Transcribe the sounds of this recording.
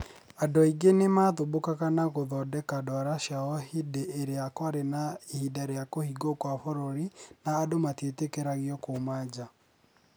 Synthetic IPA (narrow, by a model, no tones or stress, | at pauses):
andɔiɡenemaːðobokaɣanaɣoðɔdɛkadɔɾaʃaɔɦideeɾeakwaɾenaihidaɾeakohiɡokwafɔɾɔɾinaːdomatetekeɾaɣjɔkomad͡ʑa